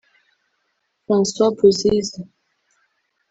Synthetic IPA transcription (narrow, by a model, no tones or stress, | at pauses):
fãswabuziz